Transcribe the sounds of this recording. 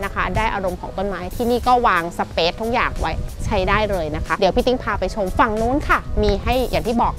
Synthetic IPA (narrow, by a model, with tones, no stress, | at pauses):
na˦˥kʰa˦˥daː˥˩jʔa˧ɾo˧mkʰɔː˩˦ŋt̪o˥˩˨nmaː˦˥jt̪ʰiː˥˩niː˥˩kɔː˥˩waː˧ŋsa˧peː˦˥t̪ʰːu˦˥k̚jaː˨˩ŋwa˦˥jt͡ɕʰa˦˥jdaː˥˩jlɤː˧jna˦˥kʰa˦˥d̪i˩˦pʰi˦˥˩t̪ʰi˦˥ŋpʰaː˧pa˧jt͡ɕʰo˧mfa˨˩ŋnuː˦˥nkʰa˥˩miː˧ɦa˥˩jʔa̰ː˨˩ŋt̪ʰiː˥˩bɔː˨˩k̚